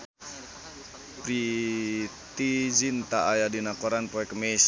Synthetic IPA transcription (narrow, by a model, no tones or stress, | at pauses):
pɾi | t̪id͡ʒint̪aajadinakɔɾanpɔɛkəmɛs